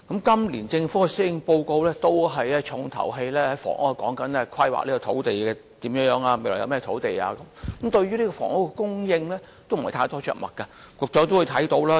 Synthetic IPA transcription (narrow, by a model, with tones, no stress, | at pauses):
kɐ˨˥mkɐ˥mliː˨˩nt͡sɪ˧ŋfu˨˥kɛ˧si˨˥jɪ˧ŋpo˧wko˧wlɛː˥t̪o˥wɦɐ˨jɛː˥t͡ʃʰʊ˨˧ŋt̪ʰɐ̰˨˩wɦe˧jlɛː˥hɐ˨˥jfɔ̰ː˨˩ŋʔo̰˥a˧˩kɔː˨˥ŋkɐ˨˥nlɛː˥kʷʰɐ˥jwa̰ː˨liː˥kɔ˧t̪ʰo˨˥wt̪e˨jɛː˧t̪iː˨˥mjœː˧ŋjœː˨˧˥ŋaː˧me˨lɔː˨˩jɐ̰˧wmɛː˥t̪ʰo˨˥wt̪e˨ja̰ː˧kɐ˨˦mkɐ˨˦mt̪ɵ˧ɥyː˥li˥kɔː˧fɔ̰ː˨˩ŋo˥wkɛ˧kʊ˥ŋjɪ˧ŋlɛː˥ | t̪o˥wm̩˨˩ht̪ʰaː˧jt̪ɔː˥t͡ʃœ̰ː˨k̚mɐ̰˨t̚kɐ˧kɔː˨˧k̚t͡sɔː˨˥t̪o˥wu˨˧jt̪ʰɐ˨˥jt̪o˧˥wlaː˥